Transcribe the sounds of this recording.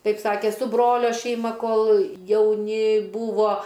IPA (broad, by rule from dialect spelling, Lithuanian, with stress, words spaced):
ˈtɐɪp ˈsɑːkʲeː sʊ ˈbroːlʲoː ʃʲɛɪˈmɐ ˈkoːlˠ jɛʊˈnʲɪ ˈbuːʋoː